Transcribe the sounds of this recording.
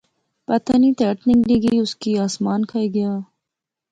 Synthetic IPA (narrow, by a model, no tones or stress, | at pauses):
pɐt̪anit̪eːʈnɪ̃ŋɡliːɡəiʊskiaːsmaːnkʰɐiɡɐjaː